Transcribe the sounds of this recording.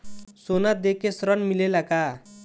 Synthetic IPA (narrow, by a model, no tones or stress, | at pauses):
sonad̪ekesɾʌnmilelaka